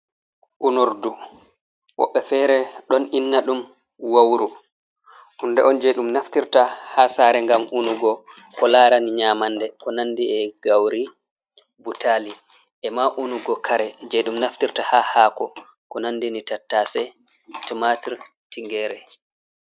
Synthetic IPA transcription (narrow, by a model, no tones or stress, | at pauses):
ʔunuɾdu | wɔ̰ɓːɛfɛːɾɛɗɔninːaɗum | wawɾu | ʔundɛɔnd͡ʒɛɗumnaftiɾtahaːsaːɾɛŋɡamunuɡɔ | kɔlaːɾaniɲamandɛkɔnandiɛɡawɾi | butaːli | ʔɛmaʔunuɡɔkʰaɾɛd͡ʒeɗumnaftiɾtahahaːkɔ | kɔnandinitatːaːsɛ | timatiɾ | tiŋɡɛːɾɛ